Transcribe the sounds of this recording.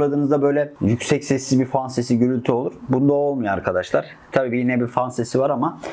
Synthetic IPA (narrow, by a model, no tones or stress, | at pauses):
ad̪ɯːnɯzd̪abø̞jlʲɛjycsɛcsɛsːizbiɾfansesiɟøɾylʲt̪ʰyo̞lˠuɾ̥bunud̪ao̞lˠmujoa̰ɾkʰad̪aʃlˠaɾ̥ | t̪ʰabiːbijinɛbiɾfansesivaɾama